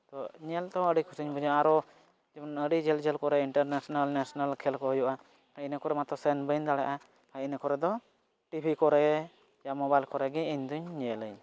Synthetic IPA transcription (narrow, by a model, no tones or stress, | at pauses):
t̪ɔɲɛlt̪ɔ̃əɖikʰusiɲbɔd͡ʒaaɾɔ | d͡ʒɛbɔnəɖid͡ʒɛld͡ʒɛlkɔɾɛiɳʈəɾnasɔnalnasɔnalkʰɛlkɔɦɔjɔʔa | ajnəkɔɾɛmat̪ɔsɛnbənd̪aɽɛʔa | ajinəkɔɾɛd̪ɔ | ʈibʰʱikɔɾɛ | jamɔbajlkɔɾɛɡɛiɲd̪uɲːɛləɲ